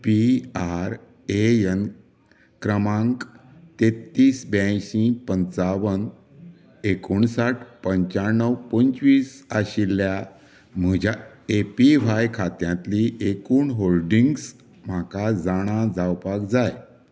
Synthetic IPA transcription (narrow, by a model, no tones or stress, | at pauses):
piaɾ | ejən | kɾəmãŋkt̪et̪ːiːsbaɕĩpənt͡saʋən | ekuɳsaʈʰpəɲt͡ɕaɾnːəwpəɲt͡sʋiːsaɕilːja | m̤əd͡ʑa | epiʋajkʰat̪jãt̪liʔekuːɳɦolɖiŋɡs | m̤akad͡zaɽ̃ad͡zawpakd͡zaj